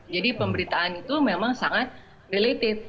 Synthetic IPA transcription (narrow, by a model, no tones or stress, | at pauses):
d͡ʒadipəmbəɾit̪aːnit̪umemaŋsaŋat̪̚ | relit̪ɪf̚